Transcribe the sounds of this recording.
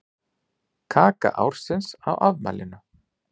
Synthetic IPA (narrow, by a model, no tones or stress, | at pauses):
kʰaːka̰ʔawɾ̥sɪnsawʔavma̰ːlɪnʏ